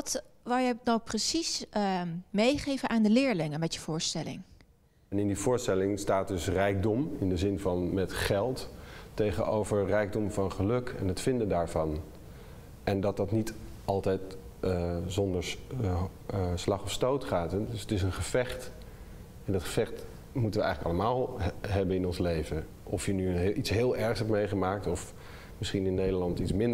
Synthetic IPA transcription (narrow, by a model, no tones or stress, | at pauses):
tʋalˠjənowprəsis | mejχejvənʔaːndəlɪːɹlɪŋənmɛtjəv̥ʊːɹstɛlɪ̰ŋ | ɛnɪndivʊːɹstɛlɪŋstaːt̚dɵsrɛjk̚dɔmɪndəzɪnvɑnmɛtχɛlˠtːejχəno̰wvəɹrɛjɡ̚dɔmvɑnχəlɵkɛ̰nətfɪndəndaːɹvɑn | ʔɛndɑt̚dɑtnit | ʔɑlˠtɛjtː | zɔndəɹ | slɑχɔfstowtχaːtdsətɪs̬ənχəv̥ɛχt | ɛndɑtχə̥v̥ɛχt | mutənʋəɛ̰jχələkɑlˠəmaːlˠɦɛbənɪnɔnslejvə | ʔɔfjənyitsɦɪːlˠɛɹχsɦɛpmejχəmaːk̚tɔf | mɪsχinɪnːejdəlɑntitsmɪnd